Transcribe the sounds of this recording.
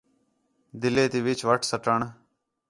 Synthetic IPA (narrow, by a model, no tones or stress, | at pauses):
d̪ɪleːt̪iːʋɪt͡ʃʰʋəʈʰsəʈəɳ